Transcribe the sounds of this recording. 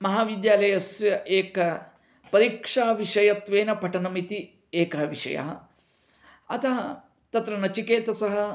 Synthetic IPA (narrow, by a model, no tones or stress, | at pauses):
mɐɦaːʋid̪jaːlɐjɐsjɐʔeːkɐ | pɐɾiːkʂaːʋiʂɐjɐt̪ʋeːnɐpɐʈɐnɐmit̪i | eːkɐɦɐʋiʂɐ̰jɐ̰ɦɐ̰ | ɐt̪ɐɦɐ | t̪ɐt̪ɾɐnɐt͡ʃikeːt̪ɐsɐɦɐ